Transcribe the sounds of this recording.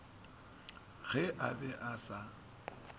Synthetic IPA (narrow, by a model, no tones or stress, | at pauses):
ɣɛʔabɛʔasa